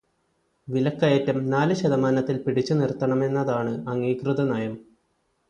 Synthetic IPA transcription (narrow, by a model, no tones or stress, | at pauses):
ʋilɐkːɐjɐtːɐmnaːlɨɕɐðɐmaːnɐt̪ːilpiɽit͡ɕːunirt̪ːɐɳɐme̞nːɐðaːɳɨɐŋːiːkrɨðɐnaːjɐm